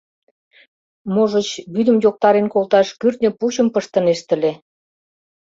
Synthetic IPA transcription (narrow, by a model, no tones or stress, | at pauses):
moʒə̆t͡ɕβyd̪ə̆mjok̚t̪ɑɾenkolt̪ɑʃkyrt̪nʲə̆puɕə̆mpəʃt̪ə̆neʃt̪ə̆le